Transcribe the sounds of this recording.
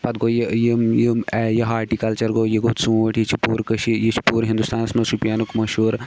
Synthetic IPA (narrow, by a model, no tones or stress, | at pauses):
pɐd̪̚ɡoːjejimjəmɛjɐɦaːɾʈikɐlt͡ʃɐɾɡoːjiɡoːt̪sũːɐʈʰjit͡ʃʰipuːɾkɐʃijit͡ʃʰi̥puːɾɦind̪ust̪ʰaːnɐsmɐsupijaːnukmɐʃuːɾ